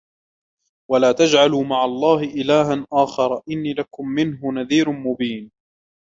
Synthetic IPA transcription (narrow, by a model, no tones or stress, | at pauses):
walaːt̪ad͡ʒʕaluːmaʕalˤːɑːɦɪʔɪlaːɦanʔaːxɑɾˤɑʔɪnːiːlakʊmːɪnɦʊnaðiːɾʊmʊbiːn